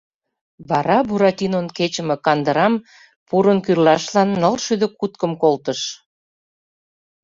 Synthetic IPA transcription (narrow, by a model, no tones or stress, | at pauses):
βɑɾɑbuɾɑt̪ʲinonket͡ɕə̆mĕkɑnd̪əɾɑm | puɾə̆nkyrlɑʃlɑnːəlʃyd̪ə̆kut̪̚kə̆mkolt̪ə̆ʃ